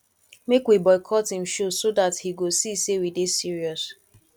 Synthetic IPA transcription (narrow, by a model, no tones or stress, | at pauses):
mekwibɔɪkʰɔthĩm̩ʃosodathiɡosisewidesiɹiɔs